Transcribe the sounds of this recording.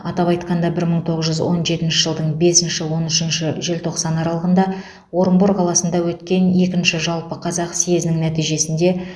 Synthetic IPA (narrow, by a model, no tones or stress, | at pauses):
ɑt̪ɑpɑjt̪qɑnd̪ɑbɪɾməɴt̪ʰo̞ʁəzʒʏzwo̞̰nʒe̞t̪ɪnʃɪʒəlˠd̪əɴbe̞sɪnʃɪwo̞nɪʃɪnʃɪʒe̞lt̪ʰo̞qsɑnɑɾɑlˠəʁənd̪ɑ | wo̞ɾmbuɾqʰɑlˠɑsənd̪ɑwɵt̪kʲe̞ne̞kʲɪnʃɪʒɑlˠpəqʰɑzɑqsejeznɪŋnæt̪ijʒe̞sɪnd̪e̞